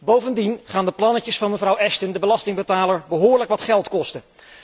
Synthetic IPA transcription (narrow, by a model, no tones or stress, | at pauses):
bowvəndinχaːndəplɑnəcəsfɑnməvrʌwɛstəndəbəlɑstɪŋbətaːləɹbəɦʊːɹləkʋɑtχɛlˠtkɔstə